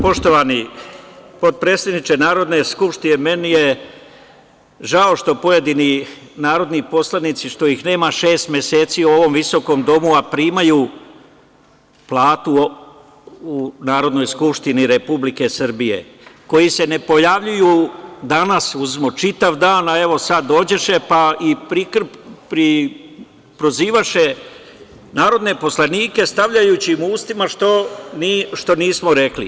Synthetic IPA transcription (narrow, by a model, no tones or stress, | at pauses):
po̞ʃt̪o̞ʋani | po̞d̪̚pɾest̪ed̪nit͡ʃe̞naːɾo̞d̪ne̞skupʃt̪ineme̞nije̞ | ʒao̞ʃt̪o̞po̞je̞d̪ininaːɾo̞d̪nipo̞slˠanit̪siʃt̪o̞ixne̞ːmaʃeːst̪mʲjese̞ːt̪siːuo̞ʋo̞mʋiso̞ko̞md̪o̞muapɾiːmaju | plˠaːt̪u | unaːɾo̞d̪no̞jskupʃt̪iniɾe̞publike̞sɨr̩bijḛko̞jise̞ne̞po̞jaʋʎujuːd̪anasuzimot͡ʃit̪aʋd̪aːnae̞ʋo̞sad̪ːo̞ːd͡ʑe̞ʃe̞paipɾikpɾi | pɾo̞ziːʋaʃe̞ | naːɾo̞d̪ne̞po̞slaniːke̞st̪aʋʎajuːt͡ɕimuːst̪imaʃt̪oniʃt̪o̞niːsmoɾe̞klḭ